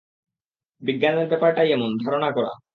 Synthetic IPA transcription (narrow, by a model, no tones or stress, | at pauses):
biɡːanebɛpaɾʈajɛmond̪ʱaɾoñakɔɾa̰